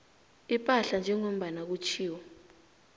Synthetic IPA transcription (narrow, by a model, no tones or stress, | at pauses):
ipʼaɬand͡ʒʱɛŋom̩ɓanak̬ut͡ʃʰiːwɔ